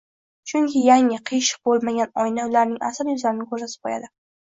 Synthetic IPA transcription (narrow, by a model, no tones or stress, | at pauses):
t͡ʃʰʊŋkʲʰɪjaŋɪqʰijʃɪ̥q̚bolˠmaɡʲanɒjnalaɾnɪŋa̰sɪljʊzlaɾɪnɪkʰɵzasɪ̥qʰoja̰d̪ɪ